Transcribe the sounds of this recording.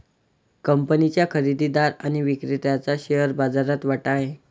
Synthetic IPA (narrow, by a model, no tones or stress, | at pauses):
kəmpənit͡ɕjakʰəɾid̪id̪aɾañiʋikɾit̪jat͡saɕeəɾbad͡zaɾat̪ʋaʈaɦe